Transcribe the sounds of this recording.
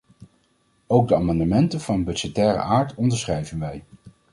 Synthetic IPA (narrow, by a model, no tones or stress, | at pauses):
owɡ̚dəaːmɑndəmɛntəv̥ɑnbɵd͡ʒɛtɛːɾə̰ʔaːɹtɔndəɹsχrɛjvənʋɛj